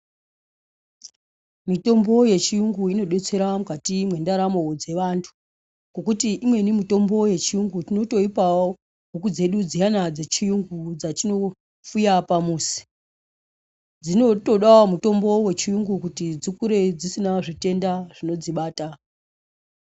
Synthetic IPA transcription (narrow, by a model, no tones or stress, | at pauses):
mito̞mbo̞je̞t͡ʃijuŋɡuino̞ɓe̞t͡se̞ɾamukatimwe̞ndaɾamo̞d͡ze̞ʋantʰu̥ | ko̞kutiʔimwe̞nimito̞mbo̞je̞t͡ʃijuŋɡutino̞to̞ipao | ɦukud͡ze̞ɗud͡zijanad͡ze̞t͡ʃijuŋɡud͡zat͡ʃino̞ | fujapamuːsi̥ | d͡zino̞to̞ɗawomuto̞mbo̞we̞t͡ʃijuŋɡukutid͡zikuɾe̞d͡zisinaʐite̞ndaʐ̥ino̞d͡ziɓaːta